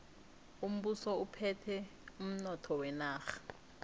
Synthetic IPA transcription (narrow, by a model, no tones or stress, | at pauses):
um̩ɓusɔupʰɛtʰɛum̩nɔtʰɔwɛnaːxḁ